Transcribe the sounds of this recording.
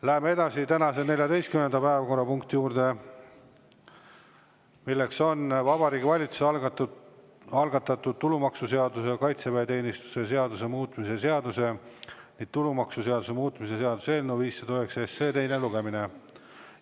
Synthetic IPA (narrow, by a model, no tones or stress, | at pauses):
læɦemee̞d̪ɑsit̪ænɑse̞ne̞lʲjɑd̪e̞jst̪kymnend̪ɑpæevɑko̞rːɑpuŋkt̪ijuːrd̪̥e̞ | milːe̞kso̞nvɑbɑɾiːɡivɑlʲit̪su̥se | ɑlɡ̥ɑt̪ːɑt̪ːˑud̪̚t̪ːulumɑksuse̞ɑd̪us̬ekɑjt̪seveet̪e̞ːnist̪u̥se̞seɑd̪use̞muːt̪ːˑmise̞se̞ɑd̪use̞niɡ̥t̪ulumɑksuse̞ɑd̪usemuːt̪ːˑmise̞se̞ɑd̪̥useelnuviːsːed̪oeksesːeːt̪e̞jneluɡ̥e̞mine̞